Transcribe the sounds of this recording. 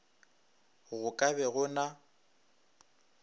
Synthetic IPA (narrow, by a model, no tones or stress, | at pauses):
ɣʊkʼaβɛɣʊna